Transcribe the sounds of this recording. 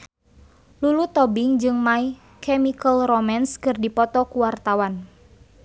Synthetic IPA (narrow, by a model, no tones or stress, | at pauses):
lulut̪ɔbiŋd͡ʒɨŋmai | kʰɛmikəlrɔmanskɨrdipɔt̪ɔkuwart̪awan